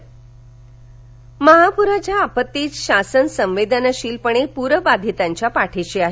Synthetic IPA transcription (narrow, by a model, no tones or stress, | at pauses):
məɦapuɾat͡ɕjaːpət̪ːiːt͡sɕasənsə̃mʋed̪ʱənəɕiːlpəɽ̃epuɾəbad̪ʱit̪aɲt͡ɕjapaʈʰeɕiaɦe